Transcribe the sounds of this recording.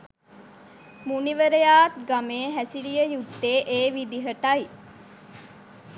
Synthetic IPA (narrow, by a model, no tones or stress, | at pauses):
muniʋəɾejaːt̪ɡameːɦæsiɾijəjut̪ːeːʔeːʋid̪iɦəʈɐji